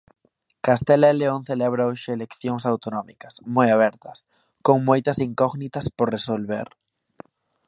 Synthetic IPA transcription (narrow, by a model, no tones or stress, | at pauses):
kast̪ɛlaeleoŋθelɛβɾaoʃɪelekθjoŋsawt̪onɔmḭkɐsmojaβ̞ɛɾt̪ɐs | koŋmojt̪ɐsiŋkɔɣnit̪ɐspoɾresolβḛɾ